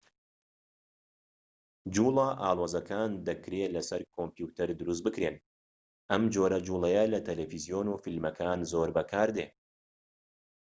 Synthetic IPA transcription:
d͡ʒuːlˠɑʔaːlˠoːzɐkʰaːnd̪ɐkɾeːlɐsɐɾkʰompjuːt̪ɐɾd̪ɨɾus̬t̪̚bɨkɾeːn | ʔɐmd͡ʒoːɾɐd͡ʒuːlˠɐjɐlɐt̪ʰɐlefizijoːnufilmɐkʰaːnzoːɾbɐkʰaːɾd̪eː

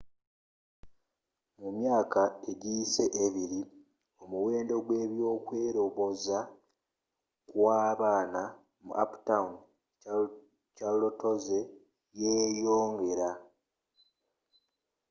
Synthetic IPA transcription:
mumjaːkaeɟise̞ʔeβiɾi | o̞muwe̞ːndo̞ɡwe̞ːβjo̞ːkwe̞ːɾo̞βo̞za | kwaːβaːna | mṵʔa̰pu̥taun | calotoze | jeːjoːŋɡe̞ɾa

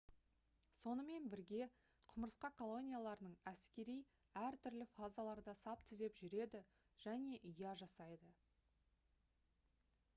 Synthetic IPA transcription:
so̞nəme̞nbɪɾɡʲe̞ | qʰʊməɾəsqɑkʰo̞lˠo̞nʲijalˠɑɾənəɴæskʲe̞ɾij | æɾt̪ʰʏɾlɪfazalˠɑɾd̪ɑsɑpt̪ʰʏzd̪e̞pʒʏɾe̞d̪ɪ | ʒ̥æne̞ʔʏjɑʒɑsɑjd̪ə

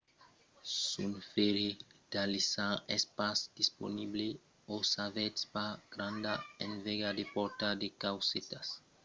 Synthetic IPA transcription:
sunfeɾed̪̥alisãespasd̥̪ispo̰nible | osavet̪spaɡ̥ɾãnd̪aẽnveɡad̪epɔɾt̪ad̪ekawset̪as

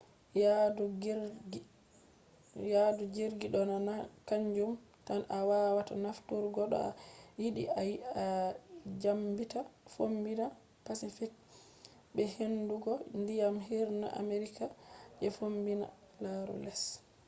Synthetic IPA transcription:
jadɡ | jadud͡ʒeɾɡiɗɔnanakaɲd͡ʒum | tanawawatanaftuɾɡɔɗɔ̰a̰jiɗḭʔaja | d͡ʒambitafombina | pasifik̚ | bɛhenduɡɔndijamɦiɾna̰ʔa̰meɾikad͡ʒɛfombina̰ | laɾɔ̰lɛs

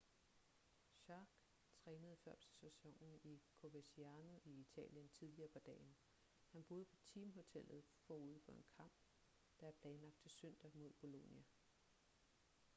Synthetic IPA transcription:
ɕɑːɡ̥ | t͡sʰʁɛːnəð̞̩ˠfɶɐ̰b̥sesesɒ̽ŋ̰n̩ikʰo̝ʋesiænoʔiit͡sʰɛ̰ːljənt͡sʰið̞ˠliɐːpʰɒd̥ɛ̰ːn | hænb̥o̝ːð̞̩ˠpʰɒ̽t͡sʰiːmɦo̝t͡sʰel̰ð̞̩ˠfɒːuð̞̰ˠfɒ̽e̝nkʰɑ̈m̰b̥ | d̥ɑ̈æɐpʰlɛːnlɑ̈ɡ̥̚d̥t͡sʰe̝søn̰d̥ɐmo̝ð̞ˠb̥o̝lo̝njæ

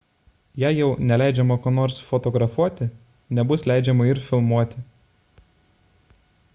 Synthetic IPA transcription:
jæːjɛʊnʲɛlʲæˑɪd͡ʒʲɛmɐkoːnoːɾsfɔt̪ɔɡɾɐfuɔt̪ʲɪ | nʲɛbʊslʲæˑɪd͡ʒʲɛmɐɪɾfʲɪlˠmuɔt̪ʲɪ

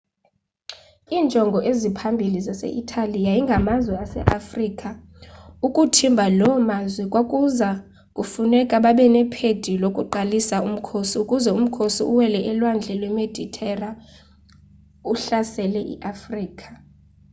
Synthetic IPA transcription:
iːnt͡ʃʼɔŋɡʱɔʔezipʰambʱilizasḛʔitʰalijajiŋɡʱamazwɛasɛ̰ʔafriːkʼa | ukʼutʰimbʱalɔmazwɛkʼwakʼuza | kʼufunɛkʼaɓaɓɛnɛpʰed̥ʱilokʼuǃalisaum̩kʰosiukʼuzɛum̩kʰosiʔuwɛlɛʔɛlwand͡ɮʱɛlwɛmed̥ʱitʰʼɛra | uɬasɛlɛʔḭʔafriːkʰʼḁ

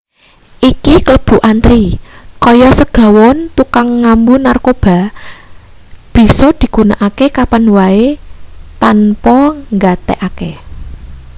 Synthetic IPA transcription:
ʔikikələb̥ṳʔant̪ɾikɔjɔsəɡ̥a̤wɔnt̪ukaŋːambunarkob̥a̤ | b̥i̤sɔd̪̥i̤ɡ̥ṳnaʔakekapanwaet̪anpɔŋɡat̪ḛʔake

